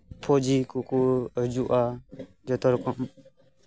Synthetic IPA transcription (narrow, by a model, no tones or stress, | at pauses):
pʰɔd͡ʒikukuəd͡ʒuʔa | d͡ʒɔt̪ɔɾkɔm